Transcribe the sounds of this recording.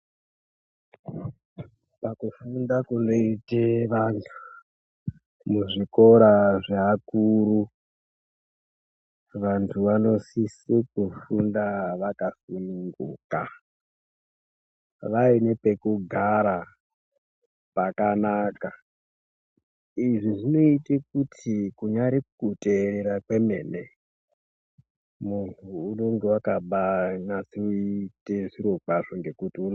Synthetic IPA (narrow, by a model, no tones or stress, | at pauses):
pakufundakuno̞iteʋantʰu̥ | muʐiko̞ɾaʐeakuːɾu | ʋantʰuʋano̞sisikufundaʋakasinuŋɡṵːka | ʋainepekuɡʱaɾa | pakanaːka | iʐiʐino̞itek̚utʰikuɲaɾikuteːɾeɾakwemeːne | munʰuːnoŋɡewakaɓanasiuiiteʐiɾo̞k͡paʐoŋɡe̞kutiun